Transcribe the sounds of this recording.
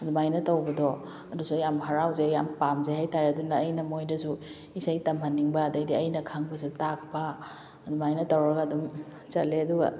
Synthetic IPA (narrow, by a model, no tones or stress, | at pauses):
ɐdumajnɐtɐwbɐdɔ | ɐdusujamɦɐɾawzejampamzeɦajtaɾeɐdunaːjnɐmojdɐsu | isajtɐmɦɐnːiŋbɐːdɐjdiɐjnɐkʰaŋbɐs̬utak̚pɐ | ɐdumajnɐtɐwɾɐɡɐːdum | t͡ʃɐleɐduɡɐ̰